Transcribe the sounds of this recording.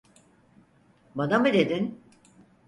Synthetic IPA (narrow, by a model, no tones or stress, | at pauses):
banamɯd̪e̞d̪in